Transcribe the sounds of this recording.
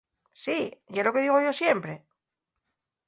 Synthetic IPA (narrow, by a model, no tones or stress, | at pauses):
siʝelo̞keðiɣo̞ʝo̞sjempɾe